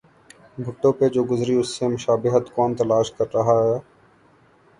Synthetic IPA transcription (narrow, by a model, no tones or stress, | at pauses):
bʱʊʈːõped͡ʒoːɡʊzɾiʊsːemʊʃaːbɪɦət̪kɔːnt̪ɐlaːʃkɐɾːɐɦaɦɛː